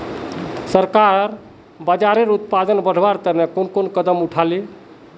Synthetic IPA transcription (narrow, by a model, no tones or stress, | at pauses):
səɾkaɾ | bad͡ʒaɾeɾut̪̚pad̪ənbəɽ̤ʱbaɾt̪ənekonkonkəd̪əmuʈʰali